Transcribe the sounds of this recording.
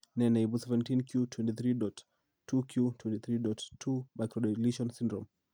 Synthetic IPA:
nɛnejblsɛvɛ̃ntinkjutʰwɛ̃ntiθɾidɔt | tʰːukʰjutwɛ̃ntiθɾidɔttʰːubajkɾɔdɔliʃɔnsĩndɾɔm

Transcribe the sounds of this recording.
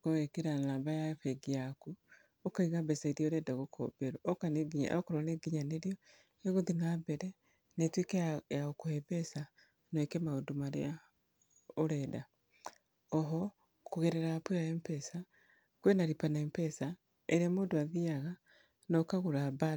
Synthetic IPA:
koɣekeɾanaβajaɸeɡijaku | okaiɣabesaiɾjoɾedaɣokʰo̰beɾookaneɡiɲa̰okoɾoneɡiɲaneɾijo | eɣuðiŋabeɾe | netwikejaokuheβesa | noekemaodumaɾḛa | oɾeda | oɦo | kuɣeɾeɾapuaeːmpesa | kwenaɾipaneːmpesa | eɾemoduaðiaɣa | nokaɣuɾaba

